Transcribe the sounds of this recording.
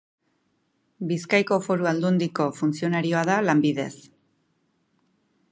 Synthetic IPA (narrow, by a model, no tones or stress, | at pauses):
biskajko̞fo̞ɾuald̪und̪iko̞funsio̞naɾio̞aðalambiðe̞̰s